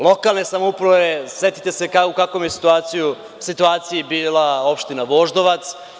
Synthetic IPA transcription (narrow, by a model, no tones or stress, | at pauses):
lˠo̞kalˠne̞samoupɾaʋese̞t̪i̥t̪e̞se̞kaukakʋomjesi̥t̪uaːt̪siju | sit̪uaːt̪sijibiːlˠao̞pʃt̪inaʋo̞ʒd̪o̞ʋat̪s